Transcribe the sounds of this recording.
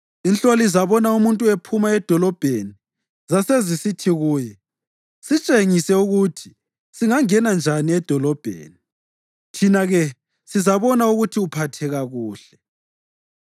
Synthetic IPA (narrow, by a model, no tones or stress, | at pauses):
int͡ɬʼolizaβɔnaumuntʼuepʰumaɛd̥ʱɔlɔb̥ʱeni | zasezisitʰiɣuːjɛ | sit͡ʃʼeŋisɛuɣutʰi̥ | siŋaŋɛnand͡ʒʱaniɛd̥ʱɔlɔb̥ʱḛːni | tʰinaɣɛ | sizaβɔnauɣutʰiupʰatʰɛɣaɣuːɬɛ